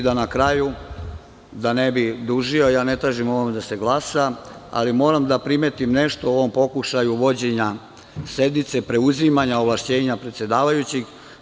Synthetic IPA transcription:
d̪anakɾaju | d̪anebid̪uʒio̞jaːne̞t̪ɾaːʒimo̞ʋo̞med̪ase̞ɡlˠasaa̰limo̞ːɾamd̪apɾimeːt̪imne̞ʃt̪o̞oʋo̞mpo̞kuʃajuʋo̞d͡ʑe̞ɲa | se̞d̪nit̪se̞pɾe̞uzimaɲaoʋlaʃt͡ɕe̞ːɲapɾet̪sje̞d̪aːʋajut͡ɕiɡ

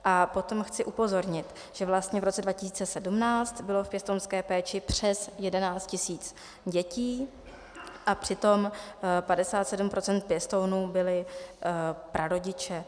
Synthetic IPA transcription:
ʔapo̞t̪o̞mxt͡sɪʔupo̞zo̞ɾɲɪt̪ | ʒ̥ɛvlast̪ɲɛvɾot͡sɛdvacɪsiːt͡sɛsɛdumnaːt͡st̪bɪlo̞fpjɛst̪ownskɛːpɛːt͡ʃɪpr̝̥ɛsjɛdɛnaːt͡st̪cɪsiːt͡s | ɟɛciː | ʔapr̝̥ɪt̪o̞mpadɛsaːt̪sɛdum̩pɾʔo̞t͡sɛnt̪̚pjɛst̪o̞wnuːbɪlɪ | pɾʔaɾo̞ɟɪt͡ʃɛ

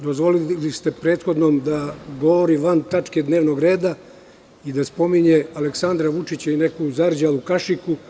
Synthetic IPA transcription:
d̪o̞zʋo̞lilist̪e̞pɾeːt̪xo̞d̪noːmd̪aɡo̞ʋoɾiʋant̪at͡ʂked̪ne̞ːʋno̞ɡɾe̞ːd̪a | id̪aspo̞miɲealeksand̪ɾaʋut͡ʂit͡ɕaine̞kuzaɾd͡ʑalukaʃiku

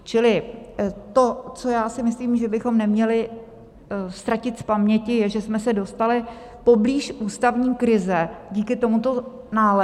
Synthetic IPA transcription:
t͡ʃɪlɪ | t̪o̞t͡so̞jaːsɪmɪsliːmʒɛbɪxo̞mnɛmɲɛlɪ | st̪ɾacɪt̪spamɲɛcɪjɛʒɛsmɛsɛdo̞st̪alɪ | po̞bliːʃʔuːst̪avɲiːkɾɪzɛɟiːkɪt̪o̞mut̪o̞ | naːlɛ

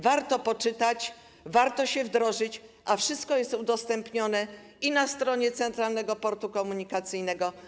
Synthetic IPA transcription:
vaɾt̪ɔpɔt͡ʂɘt̪at͡ɕ | vaɾt̪ɔɕɛvd̪ɾɔʐɘt͡ɕʔafʂɨst̪̚kɔjɛst̪ud̪ɔst̪ɛmpɲɔnɛ | inast̪ɾɔɲɛt̪sɛnt̪ɾalnɛɡɔpɔɾt̪ukɔmuɲikat̪sɘjnɛɡɔ

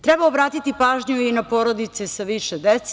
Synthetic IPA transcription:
t̪ɾɛbaobɾaːt̪it̪ipaːʒɲuinapo̞ːɾod̪it̪sesaʋiʃed̪et̪s

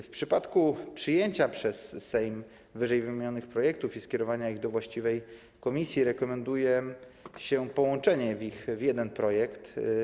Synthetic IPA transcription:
fpʂɘpat̪kupʂɘjeɲt͡ɕapʂɛsːɛjm | vɘʐɛjvɘmʲeɲɔnɘxpɾɔjɛk̚t̪ufiskʲɛɾɔvaɲaiɣd̪ɔvwaɕt͡ɕivɛj | kɔmʲisʲjiɾɛkɔmɛnd̪ujɛ | ɕɛpɔwɔnt͡ʂɛɲɛvʲixvʲjɛd̪ɛnpɾɔjɛkt̪

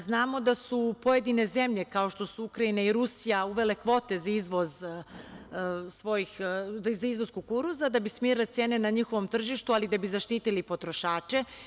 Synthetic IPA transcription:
znaːmo̞d̪asupoje̞d̪ine̞ze̞mʎe̞kao̞ʃt̪o̞suukɾaineiɾusijauʋe̞le̞kʋo̞t̪e̞zaizʋo̞z | sʋo̞jixizaizʋozkukuɾuzad̪abismiːɾlet̪seːne̞naɲixo̞ʋo̞mt̪r̩ʒiʃt̪ualid̪abizaʃt̪iːt̪ilipo̞t̪ɾo̞ʃaːt͡ʃe̞

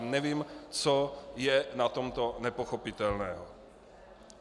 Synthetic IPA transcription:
nɛviːmt͡sojɛnat̪omt̪o̞nɛpo̞xopɪt̪ɛlnɛːɦo

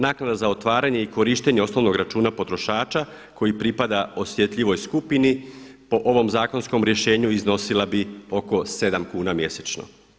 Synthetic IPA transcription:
naːknad̪azao̞t̪ʋaːɾaɲe̞iko̞ɾiːʃt̪e̞ɲeo̞sno̞ʋno̞ɡɾat͡ʃuːnapo̞t̪ɾo̞ʃaːt͡ʃa | ko̞jipɾipad̪ao̞sʋje̞t̪ʎiʋo̞jskupinipo̞ʔo̞ʋo̞mzaːko̞nsko̞mɾje̞ʃe̞ːɲuizno̞silabio̞ko̞se̞d̪amkuːnamje̞set͡ʃno̞̰

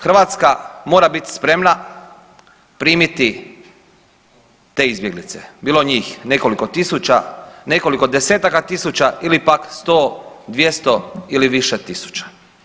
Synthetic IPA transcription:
xɾr̩ʋaːt̪skamo̞ːɾabit̪i̥spɾe̞mna | pɾiːmit̪i | t̪e̞ːizbje̞ɡlit̪sebiːlo̞ɲiːxne̞ko̞liko̞t̪isut͡ɕa̰ne̞ko̞likod̪eseːt̪akat̪isut͡ɕaʔilipakst̪oːd̪ʋje̞st̪o̞iliʋiʃet̪isu̥t͡ʃḁ

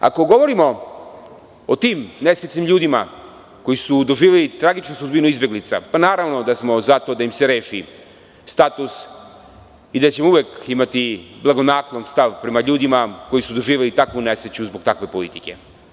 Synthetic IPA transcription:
a̰ko̞ɡo̞ʋoɾimo̞ | ot̪iːmnesɾet͡ʃ̪nimʎuːd̪ima | ko̞jisud̪o̞ʒiːʋelit̪ɾaɡit͡ʃnusud̪binuizbje̞ɡlit̪sa̰panaːɾaʋno̞d̪asmo̞zat̪o̞d̪aimse̞ɾe̞ːʃi | st̪at̪us | id̪at͡ɕemouʋjeːkimat̪iblˠaɡo̞naklˠonst̪aʋpɾe̞maʎuːd̪imako̞jisud̪o̞ʒiːʋelit̪akʋune̞sɾet͡ɕuzbo̞ɡ̚t̪akʋe̞po̞lḭt̪i̥ke̞

